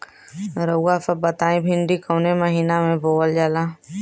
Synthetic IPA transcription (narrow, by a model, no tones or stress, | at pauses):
ɾəɡafəbət̪aːĩbʱɪɳɖikəːneməɦiːnamẽboːəld͡ʒala